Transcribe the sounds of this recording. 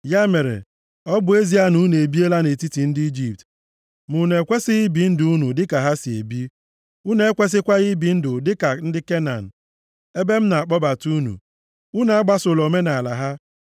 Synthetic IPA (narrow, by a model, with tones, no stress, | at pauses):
ja˦me˨ɾḛ˨ | ɔ˦bʊ˨e˦zi˦a˦nu˦ne˨bi˦e˦la˦ne˨ti˦ti˨n̩˦di˦d͡ʒi˨p̚t | mu˨ne˨kʷe˦sɪ˦ɣi˦bi˨n̩˦dʊ˨u˦nu˨dɪ˦ka˨ɦa˦si˨ḛ˨bi˦ | u˦ne˦e˦kʷe˦s̬ɪ˦kʷa˦ɣi˦bi˨n̩˦dʊ˨dɪ˦ka˨n̩˦dɪ˦ke˦na˨n̩˨ | e˦be˦m̩˦na˨a˨k͡pɔ˦ba˨tu˦nṵ˨ | u˦n˨a˦ɡ͡ba˦so˨lo˨me˦na˨a˨la˨ɦa˦